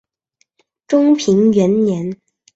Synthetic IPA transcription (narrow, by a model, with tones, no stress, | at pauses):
ʈ͡ʂʊ˥ŋpʰi˧˥ŋɥɛ˧˥nnjɛ˧˥n